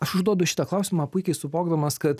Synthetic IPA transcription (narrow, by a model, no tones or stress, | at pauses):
ɐʃʊʒd̪uɔd̪ʊʃʲɪ̥t̪ɐːklˠɐʊsʲɪmɑːpʊɪkʲɛɪsʊboːɡd̪ɐmɐskɐt̪